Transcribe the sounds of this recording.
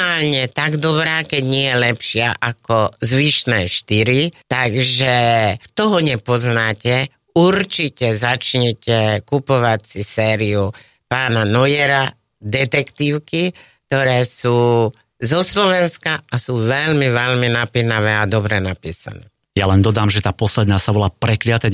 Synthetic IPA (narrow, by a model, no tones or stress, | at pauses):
aːlɲɛt̪aɡd̪ɔbɾaːkɛɟɲɪɛjɛlɛpʃɪaʔakɔzʋiʃnɛːʃt̪iɾit̪aɡʒɛt̪ɔɦɔɲɛpɔznaːcɛ | uɾt͡ʃicɛzat͡ʃɲɛcɛkupɔʋacsisɛːɾiu | paːnanɔjɛɾa | d̪ɛt̪ɛkt̪iːʊkikk̚t̪ɔɾɛːsuː | zɔslɔʋɛnskaasuːʋɛʎmiʋɛʎminapinaʋɛːad̪ɔbɾɛnapḭːsa̰nɛ̰ː | jalɛnd̪ɔd̪aːmʒɛt̪aːpɔslɛd̪naːsabɔlaːpɾɛklɪat̪ɛ